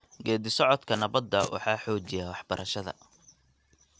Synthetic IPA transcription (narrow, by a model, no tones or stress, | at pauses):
ɡɛːd̪ɪsɔʕɔd̪kʰɐnɐβɐd̪ːɐwɑ̰ħɑːħɔːt͡ʃɪjaːwɑħb̥ɐɾʔɐʃɐðɐ̰